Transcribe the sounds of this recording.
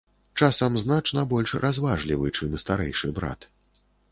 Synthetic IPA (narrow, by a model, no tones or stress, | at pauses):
t͡ʂasɐmznat͡ʂnɐbɔlʲʂrʔazvaʐlʲivɨt͡ʂɨmɨst̪aɾɛ̰jʂɨbɾa̰t̪